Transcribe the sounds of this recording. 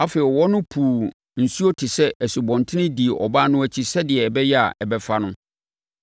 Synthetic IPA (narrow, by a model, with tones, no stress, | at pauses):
a˦feː˨ɪ˨wɔ˦nʊ̃˦pʰuː˨ | n̩˨su˦o˦tʰɪ˨sɛ˦ʔɛ˨si˨bɔ̃˨ntʰɪ̃˦nɪ̃˦di˨e˨ʔɔ̰˨ba˦nʊ̃˦æ˦t͡ɕʰi˦sɛ˦dɪ˨ɛ˨bɛ˦jɛ˦a̰˨ʔɛ˨bɛ˦fa˦nʊ̃˦